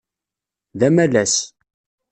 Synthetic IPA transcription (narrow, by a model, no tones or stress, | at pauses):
ðæmælæs